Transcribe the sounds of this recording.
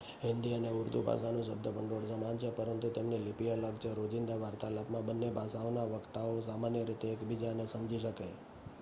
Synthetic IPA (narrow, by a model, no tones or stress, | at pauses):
ɦɪnd̪iəneʊɾd̪ʱubʱa̰ʃanũʃ̬əb̚d̪əbəɳɖoɽsəmant͡ʃʰepəɾənt̪ut̪emnilipiələɡt͡ʃʰeɾod͡ʒɪnd̪aʋaɾt̪alapmãbənːebʱasaonaʋəkt̪aosamanjəɾit̪eːkbid͡ʒanesəmd͡ʒiʃəka̰